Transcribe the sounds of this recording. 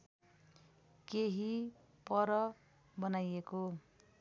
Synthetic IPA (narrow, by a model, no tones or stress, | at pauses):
keɦi | pʌɾʌ | bʌnajeko